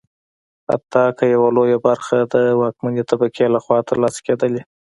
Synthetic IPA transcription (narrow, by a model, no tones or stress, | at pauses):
ha̰t̪ːɑkəjawalojabaɾxad̪əwɑkmand̪et̪abakʰelaxwɑt̪əɾlɑsked̪əle